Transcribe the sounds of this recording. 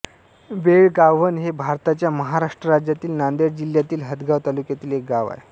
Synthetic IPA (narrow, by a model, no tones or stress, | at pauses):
beɭɡaʋənɦebʱaɾt̪at͡ɕjaməɦaɾaʂʈɾəɾad͡ʑjat̪iːlnand̪eɾd͡ʑiljat̪iːlɦət̪ɡaʋt̪alukjat̪iːlek̚ɡaʋa̰ḛ